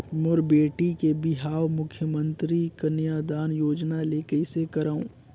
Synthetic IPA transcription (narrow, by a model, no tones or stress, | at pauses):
mɔːɾbeːʈikebɪɦaːwmʊkʰjəmə̃nt̪ɾikɐnjaːd̪aːnjoːd͡ʒnaleːkəisekɐɾaːũː